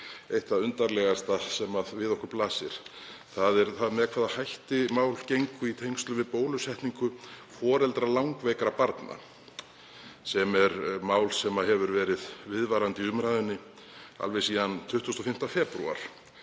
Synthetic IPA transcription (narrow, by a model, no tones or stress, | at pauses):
ejht̪aðʏnt̪aɾlɛɣast̪asɛmaðvɪðɔhkʏɾplaːsɪ̰ɾ̥θaðɛɾθaðmɛðkʰvaːðahajht̪ɪmaːwl̥cejŋkʏit̪ʰejŋst̪lʏvɪðpoːwlʏsɛht̪niŋkʏfɔːɾɛlt̪ɾalawŋkvɛkɾapaɾt̪na̰ | sɛmɛɾmaːwlsɛmaɦɛvʏɾvɛːɾɪðvɪðvaɾant̪ɪʏmɾajðʏnːɪ | a̰lvɛjsiːðant̪ʰʏht̪ʏ̥st̪ɔfɪm̥t̪afɛːpɾṵa̰ɾ̥